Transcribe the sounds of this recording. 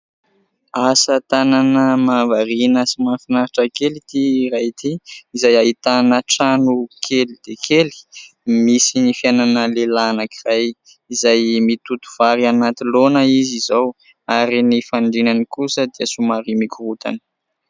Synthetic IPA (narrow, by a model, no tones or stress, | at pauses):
asət̪ananəmavaɾinəsimafinaɾiʈ͡ʂakelit̪iɾajt̪ʰiizajait̪anəʈ͡ʂanukʰelid̪̥ekʰeli̥ | misinifijananəlelanakiraj | izajmit̪ut̪u̥v̥aɾianat̪ilonəizizow | aɾinifaɳɖ͡ʐinanikusəd̪iəsumaɾimikʲuɾut̪a̰n̥